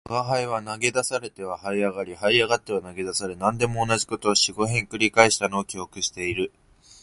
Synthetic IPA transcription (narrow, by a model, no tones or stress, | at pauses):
βaɦaiβanaɡe̞d̪asaɾe̞t̪e̞β̞ahaiaɡaɾʲihaiaɡat̪ːe̞βanaɡe̞d̪asaɾɯnãnd̪e̞mo̞ːnaʑiko̞t̪o̞ːɕiɡo̞ɦẽ̞ŋkɯ̟ɾʲikaeɕi̥t̪ano̞ːkʲio̞kɯ̟ɕi̥t̪e̞iɾɯ̟